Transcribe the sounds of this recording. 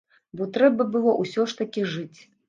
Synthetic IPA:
bɔt̪ɾɛbɐbɨlˠɔʔusʲɔʂt̪ɐkʲiʐɨt͡sʲ

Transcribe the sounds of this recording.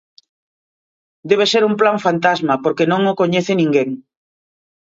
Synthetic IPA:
d̪eβ̞eseɾumplaɱfant̪azmapoɾkenõŋokoɲeθenĩŋɡeŋ

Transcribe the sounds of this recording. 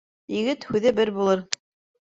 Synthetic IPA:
jĭɡɘt̪hʉðɘbɘɾbulˠɤɾ

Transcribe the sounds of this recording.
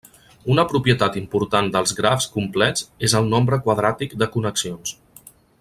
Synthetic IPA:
unəpɾupjət̪at̪impuɾt̪and̪əlˠzɣɾafskumplɛzezəlˠnombɾəkwaðɾat̪ikd̪əkunəksions

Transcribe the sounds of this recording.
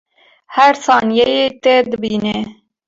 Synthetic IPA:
hæɾsɑːnjɛjeːt̪ed̪ɨbiːneː

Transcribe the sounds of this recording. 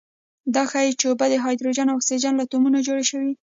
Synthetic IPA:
d̪ɑxajt͡ʃobad̪əɦɑjd̪ɾod͡ʒɑnawaksed͡ʒɑnlat̪omunad͡ʒoɽaʃəwi

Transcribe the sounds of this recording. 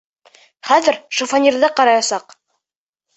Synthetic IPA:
χæðɘɾʃofanʲiɾðɑqɑɾɑjɑsɑq

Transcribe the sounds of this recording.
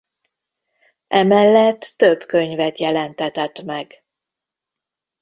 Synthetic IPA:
ʔɛmɛlːɛt̪ːøbkøɲvɛt̪jɛlɛnt̪ɛt̪ɛt̪mɛɡ

